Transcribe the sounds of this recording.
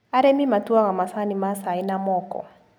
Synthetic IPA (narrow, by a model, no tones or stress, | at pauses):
aɾɛmimatuaɣamasanimasainamɔkɔ̰